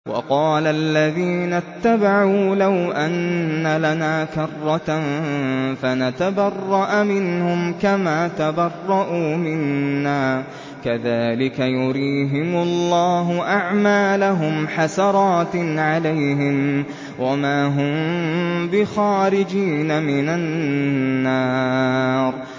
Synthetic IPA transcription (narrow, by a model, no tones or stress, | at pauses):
wɑ̰qɑːlalːaðiːnat̪ːabaʕuːlawʔanːalanaːkɑrˤːɑt̪ | fanat̪abɑrˤːɑʔmɪnhʊmkamaːt̪abɑrˤːɑʔuːmɪnːaː | kaðaːlɪkajʊɾiːɦɪmʊlːɑːɦʊʔaʕmaːlaɦʊmħasɑɾˤɑːt̪ʕalajɦɪm | wamaːɦʊm | bɪxɑːɾɪd͡ʒiːnamɪnaː | ɑː | ɾˤ